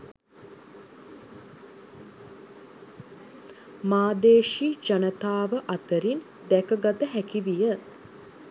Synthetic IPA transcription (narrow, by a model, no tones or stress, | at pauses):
maːd̪eːʃid͡ʒanət̪aːʋəʔat̪əɾin | d̪ækəɡat̪əɦækiʋijə